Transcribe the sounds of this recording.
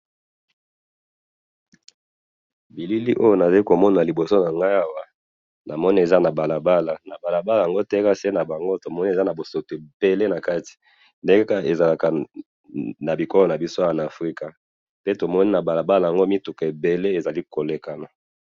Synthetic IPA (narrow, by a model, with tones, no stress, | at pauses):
bi˨li˦li˦ʔo˦jo˦˨na˨za˨i˦ko˨mɔ˦na˨li˨bo˨so˦na˨ŋɡa˦ja˦wa˨ | nʔa˨mɔ˦ni˦e˨za˦na˨ba˨la˨ba˦la˨na˨ba˨la˨ba˦la˨jŋɡo˦tɛ˦ka˦se˦na˨ba˨ŋɡo˦to˨mɔ˦ni˦e˨za˦na˨bo˨so˨te˨b̥e˨le˦na˨ka˦ti̥˨ | nde˦ŋɡe˦ka˦e˨za˨la˨ka˨ | na˨bi˨kɔ˦lɔ˨na˨bi˦so˦˨a˨na˨fʁi˦ka˨ | pe˦to˨mɔ˦ni˦na˨ba˨la˨ba˦la˨ja˨ŋɡo˦mi˦tu˨ke˨be˨le˦e˨za˨li˦ko˨le˨ka˨na˨